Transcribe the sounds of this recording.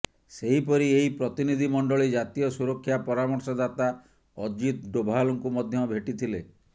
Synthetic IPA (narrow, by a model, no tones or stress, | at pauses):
seɦipɔɾieɦipɾɔt̪inid̪ʱimɔɳɖɔɭid͡ʒat̪ijɔsuɾɔkʰːjapɔɾamɔɾsɔd̪at̪a | ɔd͡ʒit̪̚ɖobʱalɔŋkumɔd̪ʱjɔmɔbʱeʈit̪ʰile